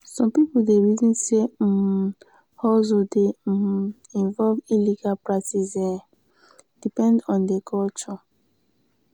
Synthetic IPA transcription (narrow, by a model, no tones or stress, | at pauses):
sɔ̃mpipodeɹitĩnse | hɔzode | ĩnvɔlviliɡalpɹak̚tisɛ̃ | d̥ipɛ̃ndɔ̃ndekʰɔlt͡ʃɔ